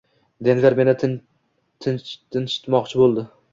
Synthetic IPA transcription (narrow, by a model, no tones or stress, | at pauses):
d̪envʲaɾme̞nɪ | t̪ʰɪnt̪ʰɪnʃɪ̥t̪mɒqt͡ʃʰɪbolˠd̪ɪ